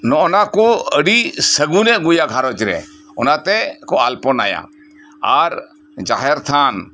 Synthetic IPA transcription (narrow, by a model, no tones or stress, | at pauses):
nɔʔɔnakɔəɽisəɡunɛʔɡujaɡʱaɾɔt͡ʃɾɛ̰ | ɔnat̪ɛkɔalpɔna̰ja̰ | aɾ | d͡ʒaɦɛɾt̪ʰan